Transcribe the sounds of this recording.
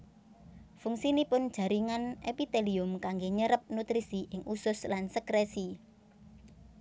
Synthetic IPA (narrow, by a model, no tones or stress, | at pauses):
fuŋsinipʊnd̥ʒ̥ä̤ɾiŋanepit̪eliʊmkaŋɡeɲəɾəp̚nut̪ɾisiʔɪŋʔusʊslansəkɾesi